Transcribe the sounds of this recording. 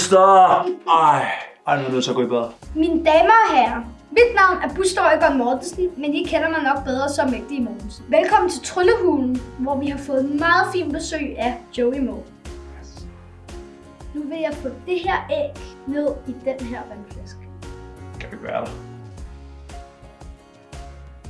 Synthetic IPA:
sd̥ɒɑɪ̰ɑ̈ɪnudusʰɒɡ̥o̰ib̥eðˠɐmind̥ɛːmɐːɦæɐ | mid̥nɑ̈ʊ̰næɐb̥usd̥ɒʊəɡ̥ɒ̽nmɒd̥̩snimenjikʰenɐmɑɪnɒ̽ɡ̥̚b̥eð̞ˠʁɐsɒ̽meɡ̥̚d̥iːmoːn̩sʋelkʰɒ̽m̰n̩t͡sʰe̝lt͡sʰʁɔləhuːln̩ʋɒʋihɑ̈fɔ̽ːð̩ˠmɑ̈ːð̞̩ˠfḭːnb̥e̝sø̰ːɪ̰æd̥jɔʊimoʊ | nuʋe̝jɑ̈ɪfɔ̰̽d̥e̝ɦeɐ̰eɡ̥ne̝ð̞ˠid̥enɦeɐ̰ʋænflæsɡ̥ | kʰæʋiʋ̥æːɐde

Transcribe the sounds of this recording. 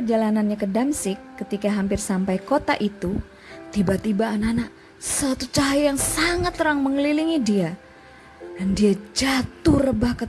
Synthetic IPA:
pərd͡ʒalananɲakədamsɪkːət̪ikaɦampɪrsampajkot̪a̰ʔit̪u | t̪ibat̪ibaːnanaʔ | səat̪ut͡ʃaɦjjaŋsaŋat̪ːəɾaŋməŋəliliŋidia | dandiad͡ʒat̪urəbahkə

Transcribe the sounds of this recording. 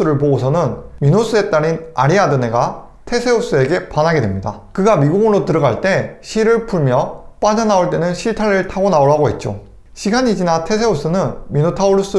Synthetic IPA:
ɯɾɯɭpoɡosʰʌnɯnminos͈ɯe̞t͈aɾina̰ɾiadɯne̞ɡa | tʰe̞sʰe̞os͈ɯe̞ɡe̞panɦaɡe̞dwe̞mɲida̰ | kɯɡamiɡuɡɯnɾotɯɾʌɡaɭt͈e̞ɕʰiɾɯɭpʰuɭmjʌp͈ad͡ʑanaoɭt͈e̞nɯnɕʰiɭtʰaɾɯɭtʰaɡonaoɭːaɡoɦe̞t̚t͡ɕ͈o̰ | ɕʰiɡaɲid͡ʑinatʰe̞sʰe̞os͈ɯnɯnminotʰauɭus͈ɯ

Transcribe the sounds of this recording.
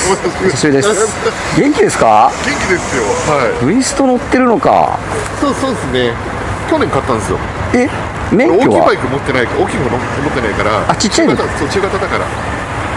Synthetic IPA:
sasid̪es | ɡẽ̞ŋkʲid̪e̞sɨ̥kaɡẽ̞ŋkʲid̪e̞sɨjo̞haibɯ̟ĩsɨ̥t̪o̞no̞t̪ːe̞ɾɯ̟no̞ka̰ | soːsoːd̪esɨne̞ | kʲo̞nẽŋkat̪ːãnd̪esɨjo̞̰ | e̞ | meŋkokːjoβia̰baikɯ̟mo̞t̪ːe̞naikaoːkʲikɯono | mot̪ːe̞naikaɾa̰at͡ɕit͡ɕːaiɯsoːt͡ɕɨːɡat̪ad̪akaɾa̰

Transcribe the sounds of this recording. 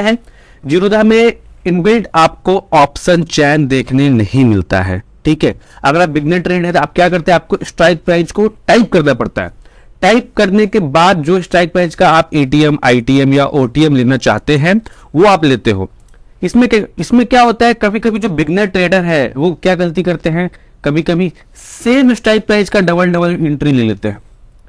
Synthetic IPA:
ɦɛ | d͡ʒiɾoːd̪amẽɪnʋɛ̃ːʈaːp̚koaːpʃənt͡ʃɛːnd̪eːkʰnenɐɦĩmɪlt̪a̰ɦɛ̰ːʈʰiːkɦɛːɐɡəɾaːp̚bɪɡneʈɾeːɖɦɛ̃t̪oaːp̚kjaːkɐɾt̪ẽɦɛ̃aːp̚koɪsʈɾaːɪk̚pɾɛ̃ːt͡ʃkoʈaːɪp̚kɐɾnapɐɽt̪a̰ɦɛ̰ːʈaːɪp̚kɐɾnekebaːd̪̚d͡ʒoːɪsʈɾaːɪk̚pɾãɪ̃t͡ʃkaaːpeːʈiɛma̰ːɪʈiɛmjaʔoːʈiɛmleːnat͡ʃa̰ːɦt̪eɦɛ̃ | ʋoaːpleːt̪eɦo̰ː | ɪsmẽkɪsmẽkjaːɦoːt̪aɦɛkɐbʱikɐbʱid͡ʒoːbɪɡnəʈɾeːɖəɾɦɛʋokjaːɡɐlt̪̬ikɐɾt̪eɦɛ̃ | kɐbʱikɐbʱi | seːmɪsʈɾaːɪk̚pɾaːɪd͡ʒkaɖɐbəlɖɐbəlɪ̃ɳʈɾileːlḛːt̪eɦɛ̃ː

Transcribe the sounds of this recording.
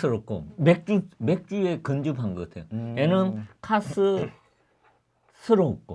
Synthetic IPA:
sʰɯɾok̚k͈o̰mek̚t͡ɕ͈umek̚t͡ɕ͈uekɯnd͡ʑupʰaŋɡʌɡatʰejoenɯnkʰasʰɯ | sʰɯɾoːk̚k͈o̰

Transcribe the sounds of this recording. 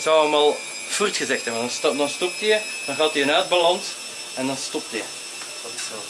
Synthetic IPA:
zɔwəmalˠ | furtxəzɛxtɛbəndɑnsdɑnstɔp̚tijə | d̥ɑnɣaːtiənœːd̚bɑlɑns | ɛndɑnstɔp̚təjə̰ | d̥tɪsɔ

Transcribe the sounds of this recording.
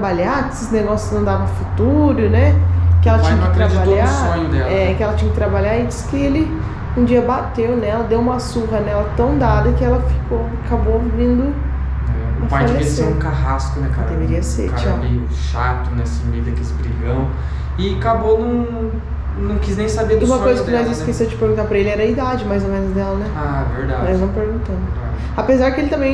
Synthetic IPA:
t̪ɾabaʎaesɪzneɡɔsjʊznɐ̃w̃d̪avɐ̃fut̪uɾʊnɛkɪɛlɐt͡ʃɲɐkatk̪ɾãd͡ʒ̪baʎasõɲʊd̪ɛlɛkɪɛlɐt͡ʃĩɲɐkɪt̪ɾabaʎaẽt͡ʃɪskɪelɪ | ũd͡ʒiɐbat̪ewnɛɛlɐd̪ewũmɐsuɦɐnɛlɐt̪ɐ̃w̃d̪ad̪ɐkɪɛlɐfi̥kowakabovĩnd̪ʊ | ɛpajalevisseɾũkaɦaskʊnɛkaɾd̪eveɾiɐsḛɾkat͡ʃe | ʃat̪ʊnɛsmid̪ɐkelɪzbɾiɡɐ̃w̃ | ɪakabonɐ̃w̃ | nɐ̃w̃kiznẽj̃sabeɾũmɐkkojzɐkɪnɔjziskesɐ̃t͡ʃɪ̥peɾɡũt̪apɾɐelɪɛɾɐid̪ad͡ʒɪmajzomẽnʊznɛlɐnɛaveɾd̪ad͡ʒnɔjznɐ̃w̃peɾɡũt̪ɐ̃mʊa | apezaɾd͡ʒɪkɪelɪt̪ɐ̃mẽj̃

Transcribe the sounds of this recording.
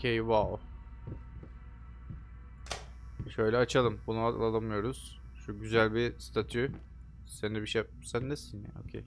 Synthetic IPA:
ocʲʰejval | ʃø̞jlʲɛat͡ʃʰalˠɯmbunua̰lˠalˠamɯjo̞ɾuz̥ | ʃuɟyzælʲbist̪ʰat̪ʰy | senibiʃja | sænːesinɛ̰o̰cʲʰḛj

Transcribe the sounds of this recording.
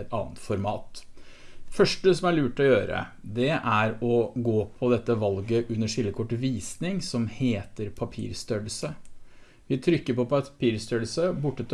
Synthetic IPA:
t̪ɑ̰ːnt̪fɔɾmɑːt̪ | fœʂʈəsɔmæɭʉːʈɔjøːɾə̰ | d̪ɛʔæɾɔɡoːpʰɔd̪ɛt̪ːəʋɑlɡəʔʉnːəʂɪlːəkʰɔʈːʋiːsnɪŋsɔmheːt̪əɾpʰɑpʰḭːɾst̪œləsə | ʋɪt̪ʰɾʏkːəɾpɔpʰɑpʰiːɾst̪œɽəsəbʊʈːət̪ʰ

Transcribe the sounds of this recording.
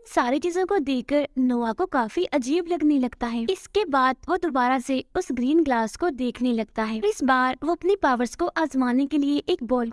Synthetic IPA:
saːɾet͡ʃiːzõkod̪eːkːəɾnoːakokaːfiʔɐd͡ʒiːblɐɡnelɐɡt̪aɦɛːɪskebaːd̪̚ʋod̪obaːɾaseʊsɡɾiːnɡlaːskod̪eːkʰnelɐɡ̚t̪aɦɛːɾɪsbaːɾʋoɐpnepaːʋəɾskoʔaːzmaːnekelieʔeːk̚bɔːl

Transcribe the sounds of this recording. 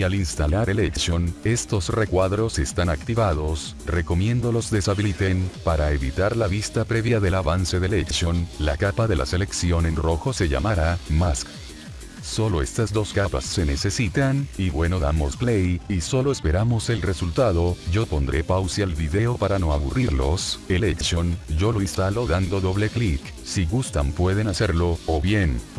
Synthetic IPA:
alinst̪alaɾeleksjo̞ne̞st̪o̞sre̞kwaðɾo̞se̞st̪anakt̪iβaðo̞s | re̞ko̞mje̞nd̪o̞lo̞zd̪e̞saβilit̪e̞npaɾaeβit̪aɾlaβist̪apɾe̞βjaðe̞laβanse̞ðeleksjo̞nla̰kapaðe̞lʔa̰se̞le̞ksjo̞ne̞nro̞xo̞se̞ʝa̰maɾamask | so̞lo̞e̞st̪azd̪o̞skapa̰sːe̞ne̞se̞sit̪aniβwe̞no̞ðamo̞splejiso̞loespe̞ɾamo̞se̞lre̞sult̪aðo̞ʝo̞po̞nd̪ɾe̞̰pawsialβiðe̞o̞paɾano̞aβṵrʔiɾlo̞̰se̞leksjond͡ʒo̞lo̞inst̪alo̞ðand̪o̞ðo̞βle̞klik | siɣust̪ampwe̞ð̞e̞nase̞ɾlo̞ːβje̞n

